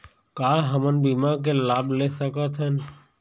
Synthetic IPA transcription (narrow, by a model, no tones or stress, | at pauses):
kaːɦəmənbiːmak̬elaːblesəkat̪ʰən